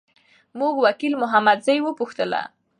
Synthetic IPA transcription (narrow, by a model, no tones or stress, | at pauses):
muɡwakilmʊɦamad̪zajwəpuxt̪əla̰